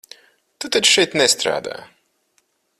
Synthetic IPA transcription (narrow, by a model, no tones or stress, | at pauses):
t̪ut̪at͡ʃʃɛjt̪nɛst̪ɾa̰ːd̪a̰ː